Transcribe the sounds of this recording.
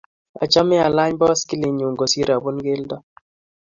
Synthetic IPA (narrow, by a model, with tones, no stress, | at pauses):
a̰˨t͡ʃa˦mɪ˦a˨la˦ɲbɔ˦skɪ˦lɪ˨ɲu˨ŋɡo˨si˦ɾa˨bu˦nɡe˦ldɔ˦